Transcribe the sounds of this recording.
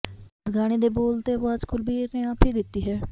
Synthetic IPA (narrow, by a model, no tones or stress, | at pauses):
sɡaːɽ̃eːd̪eːboːlt̪eːəʋaaːzkʊlbiːneãːpʰiːd̪ɪt̪ːiːɦɛː